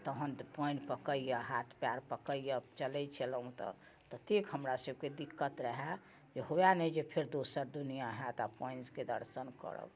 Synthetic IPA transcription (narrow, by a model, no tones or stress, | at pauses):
t̪əɦənpɔɪ̃npəkəijaɦat̪ʰpjaɾpəkəijat͡ʃələt͡ʃʰɛləɦũt̪ɔ̰ | t̪ət̪ikɦəmɾasəb̚ked̪ikːət̪ɾəɦa | d͡ʒeɦojanɛd͡ʒepʰeɾd̪osəɾd̪unijaɦat̪apɔjnsked̪ə̰ɾsənkə̰ɾə̰b